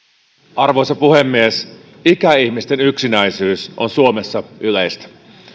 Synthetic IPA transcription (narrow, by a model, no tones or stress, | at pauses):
ɑrʋojsɑpuhemːies | ikæihmist̪enyksinæisyːsʔo̰nsuomesːɑylejst̪æ̥